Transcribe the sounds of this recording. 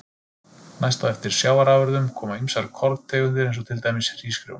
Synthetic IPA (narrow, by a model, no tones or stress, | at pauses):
najst̪aðɛft̪ɪɾ̥sjaːwaɾaːvœɾðʏmkʰɔːmaimsaɾkʰɔɾðt̪ʰɛːɣʏnt̪ɪɾejnsɔt̪ʰɪlt̪ajmɪsr̥iːskɾjo̰wn